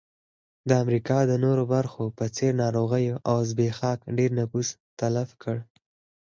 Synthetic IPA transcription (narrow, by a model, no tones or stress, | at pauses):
d̪əamɾikɑd̪ənoɾobaɾxopət͡seɾnɑɾoɣəjoʔawzbexɑkɖeɾnafust̪alafkʰəɽ